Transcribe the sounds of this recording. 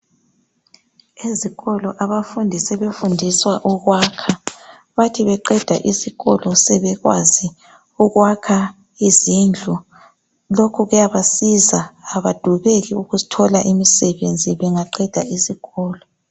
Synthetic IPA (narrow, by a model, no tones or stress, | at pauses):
eziɣɔlɔʔaβafundʱisɛβefundʱiswaʔuɣwakʰa | βatʰiβɛǃɛd̥ʱa̰ʔisiɣɔlɔsɛβɛɣwa̰zi | uɣwakʰa | izind͡ɮʱu | lokʰuɣujaβasizaːβad̥ʱuβeɣiuɣutʰɔlaʔimisɛβend͡zʱiβɛŋaǃɛd̥ʱa̰isiɣɔːlɔ